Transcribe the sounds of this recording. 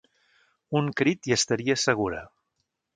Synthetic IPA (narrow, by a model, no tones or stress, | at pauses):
uŋkɾit̪iəst̪əɾiəsəɣ̞uɾə̰